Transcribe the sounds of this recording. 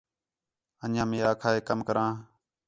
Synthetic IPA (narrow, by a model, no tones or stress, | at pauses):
ənãːmĩːaːkʰaːɦeːkəmkəɾãː